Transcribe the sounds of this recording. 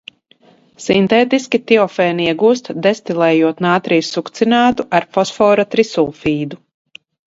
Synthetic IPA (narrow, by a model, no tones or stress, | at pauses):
sint̪ɛːt̪iskʲit̪iɔfɛːniiɛɡuːst̪d̪ɛst̪ilˠɛːjuɔt̪naːt̪ɾijsːukt̪sinaːt̪uʔaɾfɔsfɔːɾat̪ɾisulˠfiːd̪u